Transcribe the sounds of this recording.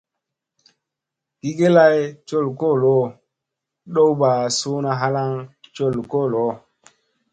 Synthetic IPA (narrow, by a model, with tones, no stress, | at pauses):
ɡ̥i˦ɡe˦la˦jt͡ʃo˦˨lko˦˨lo˦ | ɗo˦wba˨so˦na˦ɦa˦la˦ŋt͡ʃo˦˨lko˦˨lo˦